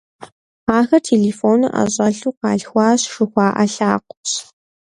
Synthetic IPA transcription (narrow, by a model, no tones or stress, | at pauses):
aːxɐrtʰeːleːfoːnɨʔɐ̰ɕʼɐɬuːqɑːɮxʷɑːɕʂɨxʷɑːʔɐ̰ɬaːqʷʊɕ